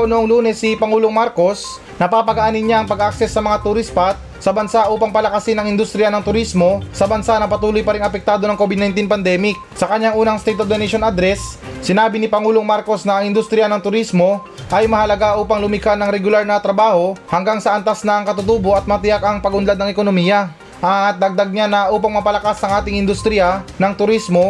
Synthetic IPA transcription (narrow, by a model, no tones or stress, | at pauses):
nʊʔoŋluːnɛsːɪpɐŋuːloŋmaɾko̞s | nɐpaːpɐɡʔaːnɪnɲaʔɐŋpɐɡak̚sɛsːɐmɐŋat̪ʊɾispat̪̚sɐbɐnsaʔuːpɐŋpɐlɐkɐsɪnɐŋɪnd̪ʊst̪ɾɪjɐnɐŋt̪ʊɾismo̞sɐbɐnsanɐpɐt̪uːlojpɐɾiŋɐpɛk̚t̪aːd̪o̞nɐŋkobɪd̪̚najnt̪inpɐnd̪ɛmɪk̚sɐkɐɲːaŋʔuːnɐŋst̪ɛjt̪ofd̪onɛʃonʔad̪ɾɛssɪnaːbɪnɪpɐŋuːloŋmaɾko̞snɐːŋɪnd̪ʊst̪ɾɪjanɐŋt̪ʊɾismo̞ | ʔɐjmɐhɐlɐɡaʔuːpɐŋlʊmɪkanɐŋɾɛɡʊlaɾnɐt̪ɾɐbaːho̞hɐŋɡaŋsɐʔɐnt̪asnɐːŋkɐt̪ʊt̪uːbo̞ʔɐt̪̚mɐt̪ɪjakɐŋpɐɡʊnlad̪nɐŋɛkonomijɐ | ʔɐt̪̚d̪ɐɡ̚d̪ɐɡ̚ɲanɐʔuːpɐŋmɐpɐlɐkasɐŋʔaːt̪ɪŋɪnd̪ʊst̪ɾɪjɐnɐŋt̪ʊɾismo̞